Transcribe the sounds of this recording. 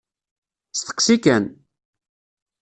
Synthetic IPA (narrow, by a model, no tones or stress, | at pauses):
st̪ə̥qsikæn